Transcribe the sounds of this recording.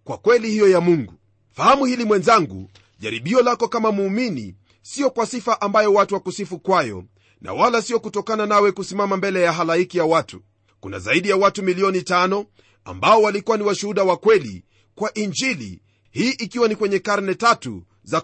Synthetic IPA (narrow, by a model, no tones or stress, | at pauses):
kwakwɛlihijɔjamuŋɡu | fahamuhilimwɛnzaŋɡṵ | ʄaɾiɓiɔlakɔkamamuːminḭ | siɔkwasifaʔambajɔwatuwakusifukwajɔ̰ | nʔa̰walasiɔkutɔkananawɛkusimamambɛlɛjaɦalaikijawatu | kuna̰zaiɗijawatumiliɔnitanɔ | a̰mbaɔwalikuwaniwaʃuhuɗawakwɛlḭ | kwaʔind͡ʒilḭ | hiːʔikiwanikwɛɲɛkaɾnɛtatṵ | za